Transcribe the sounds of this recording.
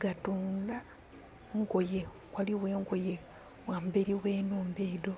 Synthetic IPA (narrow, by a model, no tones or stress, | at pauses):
ɡ̥atuːnla | ŋɡo̞je | kwaliwe̞ːŋɡoje | waːmbeɾiwe̞ːnoːmbeːdo̞